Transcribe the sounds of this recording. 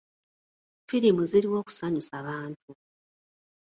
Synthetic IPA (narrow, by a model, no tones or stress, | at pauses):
fiɾimuziɾiwo̞ːku̥saɲusaβaːntu